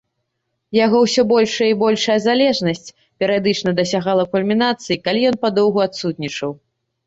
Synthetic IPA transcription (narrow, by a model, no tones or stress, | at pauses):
jaɣɔwsʲɔbɔlʲʂɐjəibɔlʲʂɐjɐzalʲɛʐnɐsʲt͡sʲ | pʲɛɾɨjad̪ɨt͡ʂnɐd̪ɐs̬ʲaɣalˠɐkulʲmʲinat̪sɨjikalʲijɔnpad̪ɔwɣuat̪sut̪̚nʲit͡ʂɐw